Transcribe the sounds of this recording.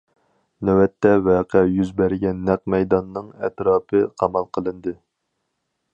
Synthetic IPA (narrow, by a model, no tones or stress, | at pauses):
nɛwɛt̪ːɛvɛːqʰɛjyzbæɾɡʲɛnːɛq̚mɛjd̪ɑnːɨŋɛt̪ɾɑːpʰɨqʰɑmɑlˠqʰəlˠɨnd̪ɨ